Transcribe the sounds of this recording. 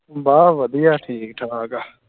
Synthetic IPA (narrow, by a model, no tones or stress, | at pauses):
baːʋɐd̪ijaːʈʰiːkʈʰɐʋaːɡa